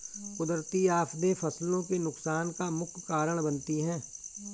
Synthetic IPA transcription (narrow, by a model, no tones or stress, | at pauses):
kʊd̪ɾt̪iaːpʰd̪efʰɐslõkenʊksaːnkamʊkʰkaːɾəɽ̃bənt̪iɦɛ̃ː